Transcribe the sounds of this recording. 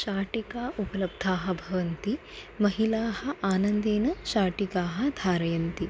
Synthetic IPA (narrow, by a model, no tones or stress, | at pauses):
ʃaːʈikaːʔupɐlɐb̚d̪ʱaːɦɐ̆bʱɐʋɐnt̪i | mɐɦilaːhɐ̆ʔaːnɐnd̪eːnɐʃaːʈikaːɦɐ̆d̪ʱaːɾɐjɐnt̪i